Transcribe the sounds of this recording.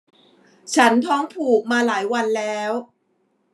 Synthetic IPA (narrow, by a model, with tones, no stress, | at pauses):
t͡ɕʰa˦˥nt̪ʰɔː˦˥ŋpʰuː˨˩k̚maː˧laː˩˦jwa˧nlɛː˦˥w